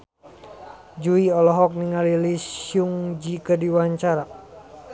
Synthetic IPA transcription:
d͡ʒuiɔlɔɦɔk̚niŋalilisjuŋd͡ʒikədiwaɲt͡ʃaɾa

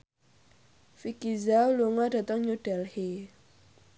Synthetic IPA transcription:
fikizaloŋaʈ͡ʂat̪aŋɲuʈalhe

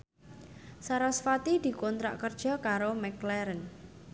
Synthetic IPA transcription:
saɾasfat̪id̪̥i̤kont̪ɾa̰ʔkərd̥ʒ̥ɔ̤kaɾomɛklɛɾən

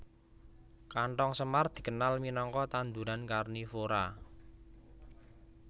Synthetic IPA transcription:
kaɳʈɔŋsəmard̪̥i̤kənalminɔŋkɔt̪and̪uɾankarnifoɾa

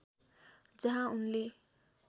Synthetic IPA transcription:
d͡zʌɦãunle

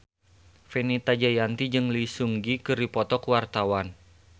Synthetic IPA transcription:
fenit̪ad͡ʒajant̪id͡ʒɨŋlisuŋɡikɨrdipɔt̪ɔkuwart̪awan

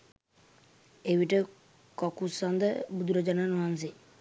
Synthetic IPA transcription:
eʋiʈə | kɔkusand̪əbud̪uɾəd͡ʒananɔɦans̬i

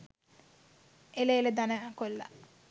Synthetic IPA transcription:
ʔeleeled̪anəkolːa̰

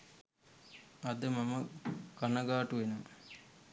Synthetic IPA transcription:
ɐd̪əmaməɡanɐɡaːʈuʋenum

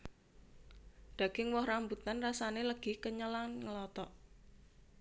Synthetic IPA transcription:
d̪̥ä̤ɡ̥ɪŋwɔhrambut̪anrasaneləɡ̥ɪhkəɲəlanŋəlɔt̪ɔʔ

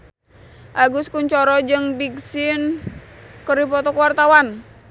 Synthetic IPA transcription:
ʔaɡuskuɲt͡ʃɔɾɔd͡ʒɨŋbiksɪn | kəɾipɔt̪ɔkəwart̪awan

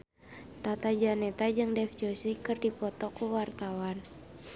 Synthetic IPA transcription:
t̪at̪ad͡ʒanɛt̪ad͡ʒɨŋdɛfd͡ʒosikɨrdipɔt̪ɔkuwart̪awan

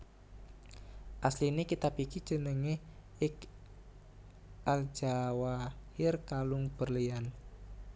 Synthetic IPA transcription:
ʔaslinekit̪apikid̥ʒ̥ənəŋeh | ɪk | ʔal̥ʒ̥awahɪrkalʊŋb̥ərlian

